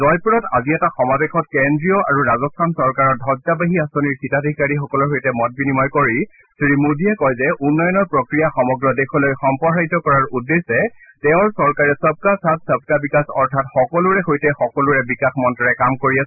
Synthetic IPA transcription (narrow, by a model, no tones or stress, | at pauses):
zɔjpuɹɔta̰ziɛtaxɔmabɛxʰɔt̚kendɹijɔaɹuɹazɔstʰansɔɹkaɹɔdʱɔɡzabaɦiasɔniɹxitadʱikaɹixɔkɔlɔɹɦojtɛmɔt̚binimɔjkɔɹi | sɹimudiɛkɔjzɛʔunːɔjɔnɔɹpɹɔkɹijaxɔmɔɡɹɔdexɔlojxɔmpɔɦaitɔkɔɹaɹudːesɛ | tɛʊ̃ɹsɔɹkaɹɛsəb̚kasatsəb̚kabikasɔɹtʰatxɔkɔlʊɹɛxojtɛxɔkɔlʊɹɛbikaxmɔntɔɹɛkamkoɹiasɛ